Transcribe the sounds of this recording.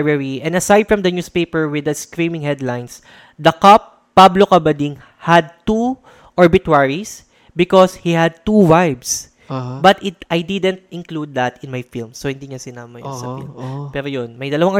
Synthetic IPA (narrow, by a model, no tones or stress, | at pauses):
vɛɹiʔɛ̃nd̪ɐsajd̪̚fɹɐmd̪ɐnjuːspepɛɹwɪd̪ɐskɹĩmɪ̃ŋhɛd̪lajns | d̪ɐkapː | ablokɐbɐd̪iŋ | hɐd̪̚t̪u | ʔɔɹbɪt̪waɹis | bɪkɔshihɐd̪̚t̪uwajbs | bɐt̪ɪt̪ʔajd̪ɪd̪ɛ̃nt̪̚ɪ̃nklud̪̚ːɐt̪ɪnmajfilmsohɪnd̪iɲasɪnaːmɐjo̰nsɐfḭlmpɛːɾojonmɐjd̪ɐlɐwaŋ